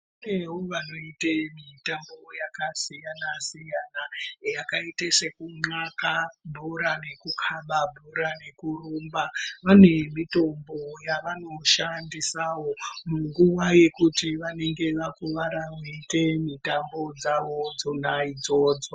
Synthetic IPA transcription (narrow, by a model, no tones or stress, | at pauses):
uneɦoʋano̞itemitambo̞jakasijanasijanajakaitesekuŋ͡ǀakabʱuɾane̞kukʰaɓabʱuɾane̞kuruːmbaʋane̞mito̞mbo̞jaʋano̞ʃandisawomuŋɡuʋaje̞kutiʋane̞ŋɡe̞ʋakuʋaɾamuitemitambo̞d͡zaʋo̞d͡zonaid͡zo̞ːd͡zo